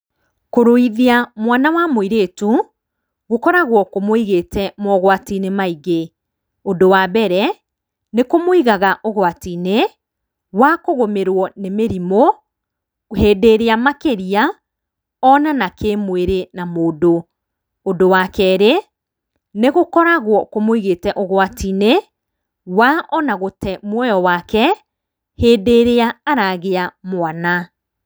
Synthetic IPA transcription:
koɾoiðiamwanawamoiɾetu | ɣokɔɾaɣwɔkomoiɣetɛmɔɣwatinemaiɣe | odowaːbɛɾɛ | nekomoiɣaɣaʔɔɣwatiːne | wakoɣomeɾwɔnemeɾimɔ | heːdeɾeamakeɾia | ɔnanakemweɾenamoːdoː | dowakɛɾe | neɣokɔɾaɣwɔkomoiɣetɛʔoɣoatine | waʔɔnaɣotɛmwɔjɔwaːkɛ | heːdeɾeaːɾaɣeamwana

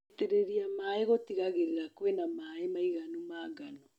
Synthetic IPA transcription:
teɾeɾiamaeɣotiɣaɣeɾeɾakwenamaemaiɣanumaːɡano

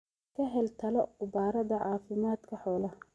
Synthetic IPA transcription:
kʰɐɦɛlt̪ʰɐlɔqʊbaːɾɐðɐʕɑːfɪmaːd̪kʰɐħɔːlɐ

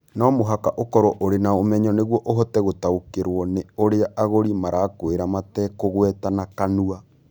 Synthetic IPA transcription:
nɔmoɦakaʔokɔɾɔʔoɾenaomɛɲɔneɣwɔʔoɦɔtɛɣotaokeɾwɔneoɾeaʔaɣoɾimaɾaːkoeɾamatɛːkoɣwɛtanakanua

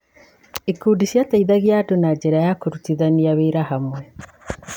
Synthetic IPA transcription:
ikuːdiʃjataiðaɣjadonad͡ʒeɾajakoɾutiðaniaβeːɾahamwɛ

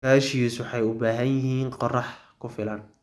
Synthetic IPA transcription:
aːʃiːswɑħɑjʊbaːɦɐnjɪhiːnqɑrɑħkʰʊfɪlɐn

